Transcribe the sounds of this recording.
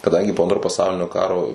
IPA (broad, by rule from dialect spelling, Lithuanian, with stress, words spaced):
kɐˈdɐŋʲɡʲɪ poː ˈɐntroː pɐˈsɐʊlʲɪnʲoː ˈkɑːroː